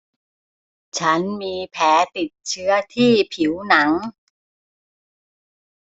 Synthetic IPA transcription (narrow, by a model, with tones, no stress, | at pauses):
t͡ɕʰa˦˥nmiː˧pʰɛː˩˦˥t̪i˨˩t̪̚t͡ɕʰɯ˦˥ɐt̪ʰiː˥˩pʰi˩˦wna˩˦ŋ